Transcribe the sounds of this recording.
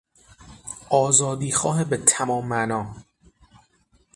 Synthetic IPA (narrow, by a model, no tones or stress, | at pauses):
ʔɒːzɒːd̪iːxɒːɦebet̪ʰæmɒːmːænɒː